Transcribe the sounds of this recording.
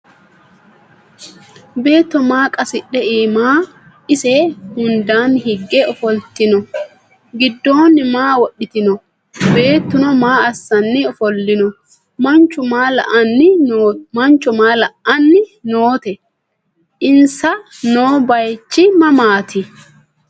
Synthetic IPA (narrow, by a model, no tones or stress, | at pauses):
be̞ːt̪ːɔmaːkʼɐsɪɗːɛʔiːmaː | ɪsɛhʊnd̪aːnhɪɡːɛɔfɔlt̪ɪnɔ | ɡɪd̪ːo̞ːnːɪmaːwɔɗɪt̪ɪnɔ | be̞ːt̪ːʊnɔmaːɐsːɐnːɪɔfɔlːɪnɔ | mɐnt͡ʃːʊmaːlɐ̰ʔɐnːɪmɐnt͡ʃːʊmaːlɐʔːɐnːɪnoːt̪ɛ | ʔɪnsɐ | noːbɐjt͡ʃːɪmɐmaːt̪ʰɪ